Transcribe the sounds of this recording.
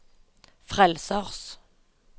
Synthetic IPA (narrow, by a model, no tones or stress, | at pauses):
fʁɛlsəʁs